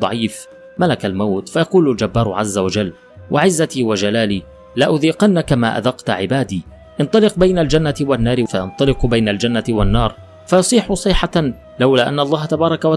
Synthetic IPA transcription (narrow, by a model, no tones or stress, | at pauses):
ɑ̰ʕiːf | malakalmawt̪fajɑquːlʊld͡ʒabːaːɾˤʕazːawad͡ʒalː | wʔaʕɪzːat̪iːwad͡ʒalaːliː | laʔʊðiːqanːakamaːʔa̰d̪ɑqt̪ʕɪbaːd̪iː | ʔɪnt̪ˤɑlɪqbajnald͡ʒanːawanːaːɾɪfajɑnt̪ˤɑlɪqbajnald͡ʒanːaɪwanːɑːɾˤ | fɑjɑsˤiːħʊsˤɨːħa | lawlaːʔanːaɑlˤːɑːhat̪abɑːɾˤɑkawa